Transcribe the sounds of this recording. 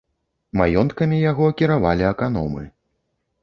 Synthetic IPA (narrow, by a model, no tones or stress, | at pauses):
majɔnt̪kɐmʲijaɣɔkʲiɾavalʲiɐkan̪ɔ̰mɨ̰